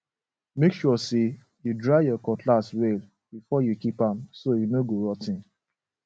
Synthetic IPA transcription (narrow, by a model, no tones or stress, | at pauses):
mekʃuɔse | judɹaɪjɔkɔtʰlaswel | bifɔjukipãmsojunoɡoɾɔtɪ̃n